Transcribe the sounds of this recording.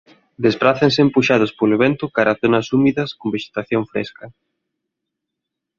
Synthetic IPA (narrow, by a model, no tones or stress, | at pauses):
d̪espɾaθensɪːmpuʃaðʊspoleβɛnt̪ʊkaɾaθonɐsumiðɐskombeʃe̥t̪aθjoɱfɾḛskɐ